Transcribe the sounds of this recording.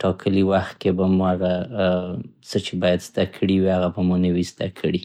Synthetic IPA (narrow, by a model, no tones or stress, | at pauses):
ʈɑkʰəliwaxt̪̚kebamaɾa | sət͡ʃebɑjad̪z̥d̪akʰəɽiwiaɣabamunəwizd̪a̰kʰəɽi